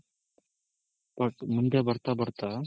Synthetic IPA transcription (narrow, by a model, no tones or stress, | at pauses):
pəʈmʊnd̪aːbəɾt̪aːbəɽt̪aː